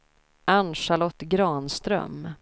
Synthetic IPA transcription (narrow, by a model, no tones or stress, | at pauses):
ʔanʂalɔt̪ːɡɾɑːnst̪ɾœ̰m